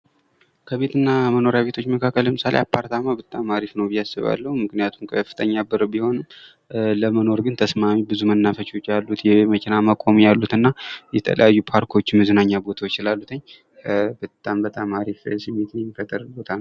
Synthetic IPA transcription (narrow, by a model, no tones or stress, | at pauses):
kʰəβe̞t̪ʰɨnːaməno̞ɾjaβe̞t̪ʰo̞t͡ʃːməkʰakːəlːəmɨsalḛjapʰːaɾt̪ʰamabət̪ʼamaɾifnəwbijːasɨβa̰lːəhumɨknijat̪ʰumkʰəfːɨt̪ʰəɲːabɨɾbiho̞nɨm | ləməno̞ɾɡɨnt̪ʰəsmamibɨzumənːafət͡ʃo̞t͡ʃːjalːut̪jɛməkʰʲɪnaməkʼomijalːut̪ɨnːajɛt̪ʰə̰lə̰jajːupʰaɾkʰo̞t͡ʃːmɨzɨnaɲːabo̞t̪ʰawt͡ʃːɪlalːut̪ʰəɲ | bət̪ʼːambət̪ʼamaɾifsɨmːe̞t̪ʰɨnɛmːifət̪ʼəɾbo̞t̪ʰanəw